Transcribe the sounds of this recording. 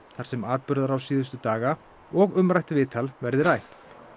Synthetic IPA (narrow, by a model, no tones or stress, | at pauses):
θaɾ̥sɛmaːt̪̚pʏɾðaɾawsiːðʏst̪ʏt̪aːɣa | ɔɣʏmɾajht̪vɪːt̪ʰalvɛɾðɪɾajht̪